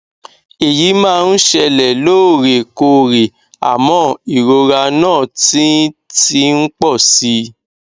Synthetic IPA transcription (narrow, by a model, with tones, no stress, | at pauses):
e˨ji˨˦mãː˦˧n̩˦ʃɛ˧lɛ˨loː˦˨ɾe˨ko˧ɾe˨ | a̰˨mɔ̃˧˦i˨ɾo˧ɾa˧nãː˦˨ti˨˦ti˧˦ŋ̩˦k͡pɔ˦˨si˧˦